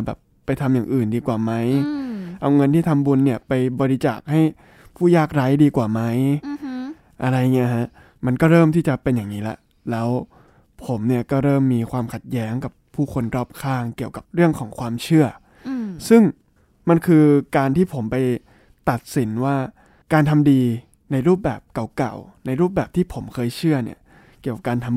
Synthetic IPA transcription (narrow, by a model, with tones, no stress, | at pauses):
bɛː˨˩pːa˧jt̪ʰa˧mjaː˨˩ŋʔɯː˨˩ndiː˧kwaː˨˩ma˦˥jʔa˧wŋɤ˧nt̪ʰiː˥˩t̪ʰa˧mbu˧nːi˥˩ɐpa˧jbɔː˧ɾi˦˧t͡ɕaː˨˩k̚ha˥˩j | pʰuː˥˩jaː˥˩k̚ɾa˦˥jdiː˧kwaː˨˩ma˦˥j | ʔa˧ɾa˧jŋi˦˥˧ɦa˦˥ʔ | ma˧nkɔː˥˩ɾɤː˥˩mt̪ʰiː˥˩t͡ɕa˨˩pe˧njaː˨˩ŋniː˦˥la̰˧˦ʔ | lɛː˦˥w | pʰo˩˦mni˥˩ɐkɔː˥˩ɾɤː˥˩mːiː˧kʰwaː˧mkʰa˨˩t̪̚jɛː˦˥ŋka˨˩pʰːuː˥˩kʰo˧nɾɔː˥˩p̚kʰaː˥˩ŋki˨˩əwka˨˩p̚ɾɯ˥˩əŋkʰɔː˩˦ŋkʰwaː˧mt͡ɕʰɯ˥˩ɐ | sɯ˥˩ŋ | ma˧nkʰɯː˧kaː˧nt̪ʰiː˥˩pʰo˩˦mpa˧j | t̪a˨˩t̪̚si˩˦nwaː˥˩ | kaː˧nt̪ʰa˧mdiː˧ | na˧jɾuː˥˩p̚bɛ̰ː˨˩p̚ka˨˩wka̰˨˩wna˧jɾuː˥˩p̚bɛː˨˩p̚t̪ʰiː˥˩pʰo˩˦mkʰɤː˧jt͡ɕʰɯ˥˩ɐnḭ˦˥˩ɐ | ki˨˩əka˨˩kaː˧nt̪ʰa˧m